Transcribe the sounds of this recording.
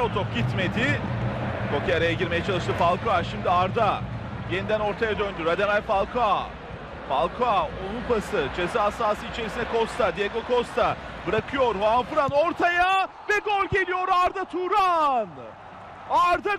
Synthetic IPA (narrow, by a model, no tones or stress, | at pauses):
ot̪opɟit̪me̞d̪ɪ | kʰo̞kʰiaɾajaɟiɾme̞jɛt͡ʃʰalˠɯʃt̪ʰɯfalˠkʰoaʃimd̪iaɾd̪a | jenid̪æno̞ɾt̪ʰajad̪ønd̪yɾad̪emalʲfalˠkʰoa | falˠkʰoaonupasɯt͡ʃʰe̞siɦasaːsɯit͡ʃʰe̞ɾisinɛkʰost̪ʰad̪ijaɡokʰo̞st̪ʰabɯɾakʰɯjo̞ɾɦoanfɯɾanoɾt̪ʰaja | vɛɡolʲɟe̞lʲijo̞ɾaɾd̪at̪ʰuɾan | aɾd̪a